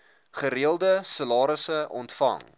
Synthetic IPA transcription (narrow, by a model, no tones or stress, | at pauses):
χəɾiəlˠdəsəlɑːɾəsəɔ̰ntfɐ̰ŋ